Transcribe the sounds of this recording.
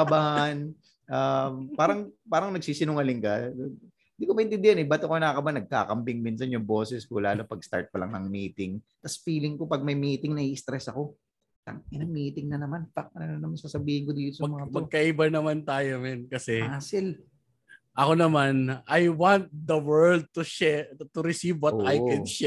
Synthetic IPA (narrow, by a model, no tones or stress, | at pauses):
ɐbaʔn | ʔampaːɾɐŋpaːɾɐŋnɐɡ̚siːsɪnʊŋɐlɪŋkɐ | ɪnd̪ikomɐʔɪnt̪ɪnd̪ɪhɐnɛbaːt̪okonɐɐkɐbanːɐɡ̚ka̰ːkɐmbɪŋmiːnsɐnjʊŋboːsɛskolaːlo̞pɐɡst̪a̰ɹt̪̚pɐlɐ̰ŋnɐŋmiːt̪ɪŋ | t̪ɐsfiːlɪŋko̞pɐɡ̚mɐjmiːt̪ɪŋnɐʔiɪst̪ɾɛsɐko̞ | t̪a̰ŋɪnɐŋmiːt̪ɪŋnɐnɐmanfak̚ɐɐnɐnɐmɐsasɐbiːhɪŋkod̪iːt̪osɐmɐŋaɐɡ̚kɐʔibɐnɐmant̪aːjomɛnkɐsɛasɪl | ʔɐkonɐmanajwant̪̚d̪ɐwɛɹld̪̚t̪uʃɛt̪ʊɾɪsivwɔt̪ːajkɛd̪ʃɛ